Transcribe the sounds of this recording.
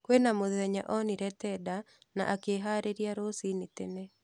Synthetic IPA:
kwenamoðɛɲa̰ʔɔniɾɛtɛda | na̰ʔakeɦaɾeɾjaɾosinɪtene

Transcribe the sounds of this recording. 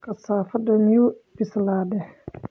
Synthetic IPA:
kʰɐsaːfɐd̪ɐmjubɪslaːdɛh

